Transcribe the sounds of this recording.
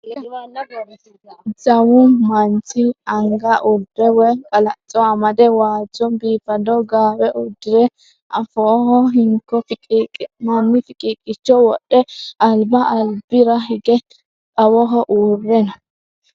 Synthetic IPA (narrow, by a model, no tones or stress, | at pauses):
zɐwʊmɐnt͡ʃɪɐŋɡɐʔʊlbɛwɛkʼɐlɐt͡sʼːɔɐmɐd̪ɛwaːd͡ʒɔnbiːfɐd̪ɔɡaːwɛʔʊd̪ːɪɾɛ | ʔɐfɔɦɔɦɪŋkːɔmɐmːɪfɪkʼiːkʼːɪt͡ʃːɔwɔɗːɛɐlbɐʔɐlbɪɾɐɦɪɡɛ | kʼɐwɔɦɔʔuːrːɛnɐ